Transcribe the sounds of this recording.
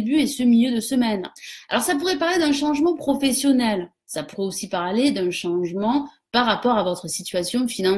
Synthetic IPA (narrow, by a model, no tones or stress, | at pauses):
byesəmiljød̪əsəmɛna̰lɔʁsapuʁɛpaʁled̪ɛ̃ʃɑ̃ʒmɑ̃pχɔfɛsjɔnɛl | sapuʁɛosipaʁled̪ɛ̃ʃɑ̃ʒmɑ̃ | paʁːapɔʁavɔt̪χəsit̪ɥasjɔ̃finɑ̃